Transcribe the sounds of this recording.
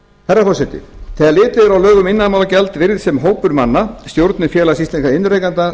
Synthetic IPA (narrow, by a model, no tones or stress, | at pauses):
θɛrːafɔsɛt̪ɪ̰θɛːðaɾlɪːt̪ɪɾawlœːɣʏmɪnːaðmawlacɛlt̪vɪɾðsɛmɦoːwpʏɾmanːast̪jowɾt̪nɪfjɛːlasist̪eŋkaɪnɾejkant̪a